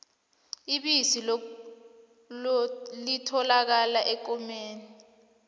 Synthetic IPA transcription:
iɓisi | litʰɔlak̬alaʔɛk̬ʼɔmeːni

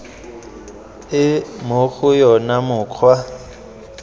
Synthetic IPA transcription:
ɪmoɣʊjɔnamʊːkʰwa

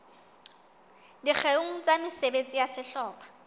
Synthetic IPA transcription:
dik͡xʰeuŋ̩t͡sʼamɪsebent͡sʼijasɪɬɔːpḁ

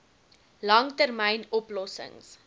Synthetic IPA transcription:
lɐŋtərmɛjnɔplɔsə̰ŋs

